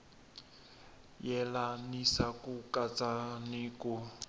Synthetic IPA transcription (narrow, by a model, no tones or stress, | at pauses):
jɛlanisakukʼat͡sʼanɪku